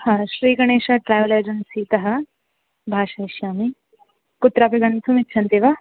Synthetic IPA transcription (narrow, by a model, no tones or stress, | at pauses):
hãːʃɾiːɡɐɳeːʃaʈɾaːjʋɐleːd͡ʒɐnsiːt̪ɐɦɐ̆ | bʱaːʃɐiʃjaːmi | kʊt̪ːɾaːpeɡɐnt̪ʰumit̪ːʃʰɐnt̪eːʋa